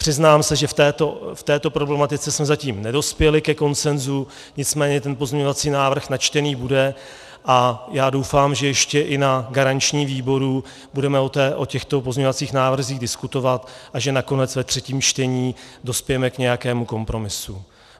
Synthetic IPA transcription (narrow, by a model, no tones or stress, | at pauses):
pr̥ɪznaːmsɛʒɛft̪ɛːt̪oft̪ɛːt̪o̞pɾo̞blɛmat̪ɪt͡sɛsmɛzaciːmnɛdo̞spjɛlɪkɛko̞nt͡sɛnzu | ɲɪt͡smɛːɲɛt̪ɛnpo̞zɲɛɲo̞vat͡siːnaːvr̩xnat͡ʃt̪ɛniːbudɛ | ʔajaːdo̞wfaːmʒɛjɛʃcɛʔɪnaɡaɾaɲt͡ʃɲiːviːbo̞ɾu | budɛmɛot̪ɛːʔocɛxt̪o̞pozɲɛɲovat͡siːxnaːvr̩ziːɣdɪskut̪o̞vat̪ʔaʒɛnako̞nɛt͡svɛt̪r̝̥ɛciːmt͡ʃt̪ɛɲiːdo̞spɪjɛmɛkɲɛjakɛːmuko̞mpɾo̞mɪsu